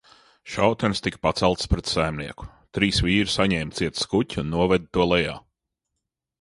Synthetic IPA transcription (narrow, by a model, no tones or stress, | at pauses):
ʃawt̪ɛnst̪ikpat̪sɛlˠt̪spɾɛt̪sæjmniɛku̥ | t̪ɾiːsviːɾusaɲɛːmt̪siɛt̪skutʲnːuɔvɛd̪̚t̪uɔlˠɛja̰ː